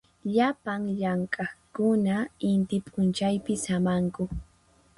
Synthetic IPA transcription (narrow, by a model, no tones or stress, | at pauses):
ʎapaŋʎaŋkʼɑkʊnaɪnt̪ɪpʼʊnt͡ʃajpɪsamaŋkʊ